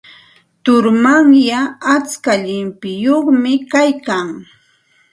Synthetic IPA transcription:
t̪ʊɾmaŋjaat͡skaʎɪmpɪjoχmɪkajkaŋ

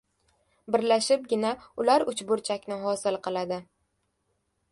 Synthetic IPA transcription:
bɪɾlaʃɪp̚ɡʲɪnaʊlaɾʊt͡ʃbʊɾt͡ʃʰakʲnɪɦɒsɪlˠqɨlˠad̪ɪ

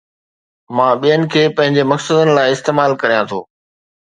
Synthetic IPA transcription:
mãːɓijənɪ̆kʰeːpɐ̃ɦɪ̃ɲd͡ʑemɐksəd̪ənɪ̆laːɪɪst̪eːmaːlkɐɾijãt̪ʰo̰ː

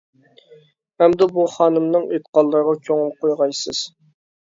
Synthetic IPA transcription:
hɛmd̪ɛbuχɑːnɨmnɨŋet̪qɑlˠːəɾʁɑkʲʰøŋɪlˠqʰojʁɑjsɨz̥

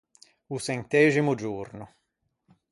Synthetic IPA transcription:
usɛnt̪ɛːzimʊd͡ʒurnʊ

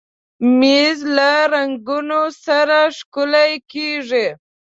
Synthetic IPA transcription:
mizlaɾaŋɡunosaɾaʂkʊlajkiʐi

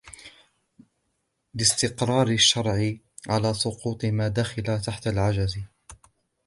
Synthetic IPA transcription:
lɪst̪ɪqɾˤɑːɾɪʃːɑɾˤʕɪ | ʕalaːsˤʊquːt̪ˤɨmaːd̪aːxɪlat̪aħt̪alʕad͡ʒaz

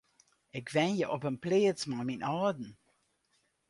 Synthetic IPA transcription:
ɪkʋɛnjəʔɔpənpleːət͡smaminʔɑːdn̩

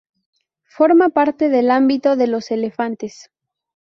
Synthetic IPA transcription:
fo̞ɾmapaɾt̪e̞ðelambit̪o̞ðe̞lo̞se̞le̞fant̪es

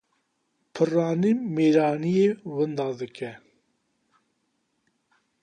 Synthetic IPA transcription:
pʰɨrɑːnimeːɾɑːnijeːwɨnd̪ɑːd̪ɨkɛ

